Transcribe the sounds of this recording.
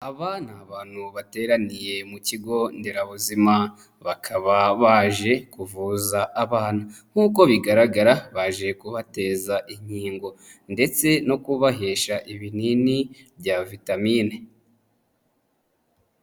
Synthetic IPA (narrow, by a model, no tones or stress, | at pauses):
aβanaːβaːn̥huβate̞ːɾanije̞muciɡo̞ndeɾaβuzima | βakʰaβaβaʒe̞kuvuːzaʔaβaːn̥aŋ̥uːko̞βiɡaɾaɡaɾaβaʒe̞kuβate̞ːzaʔiɲ̥hiːŋɡo̞nde̞t͡se̞no̞kuβaɦe̞ʃaʔiβinini | bɟavitamiːne